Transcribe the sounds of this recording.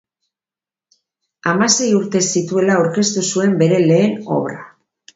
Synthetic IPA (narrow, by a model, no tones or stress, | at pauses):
amase̞juɾt̪e̞sit̪ue̞laawɾke̞st̪usue̞mbe̞ɾe̞le̞ːno̞̰βɾa